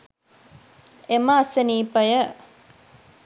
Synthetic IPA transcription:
eməɐsəniːpəjə

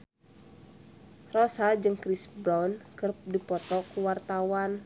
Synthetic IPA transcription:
rɔsad͡ʒɨŋkɾisbɾɔnkɨr̚dipɔt̪ɔkuwart̪awan

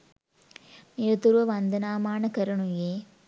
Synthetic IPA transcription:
nɪɾɐt̪ːuɾʋɐʋɐnd̪ɐnaːmaːnɐkɐɾɐɳujeː

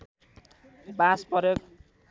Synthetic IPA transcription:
baspʌɾek

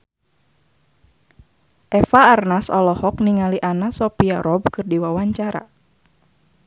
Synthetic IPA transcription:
ʔɛfaːrnasɔlɔhɔkniŋaliʔanasɔpiaɾɔb̚kɨrdiwawaɲt͡ʃaɾa̰

